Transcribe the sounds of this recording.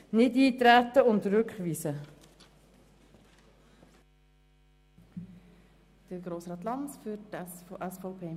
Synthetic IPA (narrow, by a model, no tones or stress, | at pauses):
nɪdiːtɾætəʊntrʏkχviːsə | d̥əɡɾoːsɾɑt̪lɑnsfyɛsfopʰeː